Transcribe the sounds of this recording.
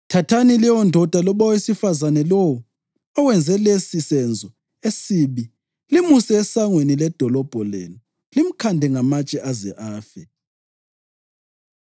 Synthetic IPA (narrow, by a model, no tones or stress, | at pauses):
tʰatʰaniliwɔndʱɔd̥ʱalɔɓɔwesifazanɛlɔwɔ | ɔwɛnd͡zʱɛlesisɛnd͡zʱɔ | esiβi | limusiɛsaŋwenilɛd̥ʱɔlɔb̥ʱɔlḛnu | lim̩kʰandʱɛŋamat͡ʃʼɛʔazɛʔaːfɛ